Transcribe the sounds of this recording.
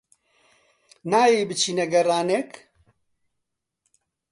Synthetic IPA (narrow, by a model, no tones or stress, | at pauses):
naːjeːbɨt͡ʃʰiːnɛɡɐraːnek